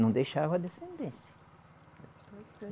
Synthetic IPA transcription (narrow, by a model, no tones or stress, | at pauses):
nɐ̃w̃d̪ejʃavɐɐd̪esẽnd̪ẽsjɐ